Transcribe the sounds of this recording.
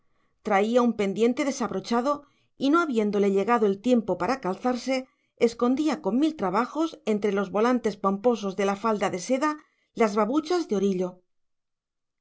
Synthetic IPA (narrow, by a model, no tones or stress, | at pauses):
t̪ɾaiaumpe̞nd̪je̞nt̪e̞ðe̞saβɾo̞t͡ʃaðo̞ | ino̞aβje̞nd̪o̞le̞ʎe̞ɣaðo̞e̞lt̪je̞mpo̞paɾakalθaɾse̞ | esko̞nd̪iako̞mmilt̪ɾaβaxo̞se̞nt̪ɾe̞lo̞zβo̞lant̪e̞spompo̞s̬o̞zðe̞lafald̪aðe̞se̞ða | lazβaβut͡ʃazðeo̞ɾiʎo̞